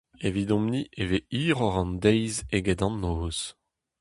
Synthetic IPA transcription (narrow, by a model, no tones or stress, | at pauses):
evidɔ̃mniʔeveiːʁɔʁɑ̃nd̪ɛjzeɡɛdɑ̃nːoːz̥